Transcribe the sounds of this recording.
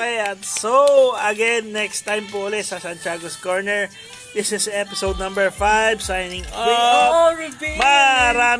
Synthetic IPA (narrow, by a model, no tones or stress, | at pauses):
ɐjansowɐɡɛnːɛkst̪ajmpoʔʊlɛt̪sɐsant͡ʃaːɡoskoɹnɛɹ | d̪ɪsɪsɛpɪsowd̪̚nɐ̃mbɛɹfajbsajnɪŋwɪ | bmɐɐɾaː